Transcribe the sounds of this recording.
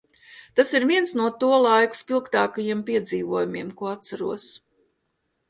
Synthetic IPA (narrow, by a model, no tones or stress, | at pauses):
t̪asiɾvʲiɛnsnuɔt̪uɔlˠajku̥spʲilˠkt̪aːkajiɛmpʲiɛd̪ziːvuɔjumiɛmkuɔat̪̚saɾuɔs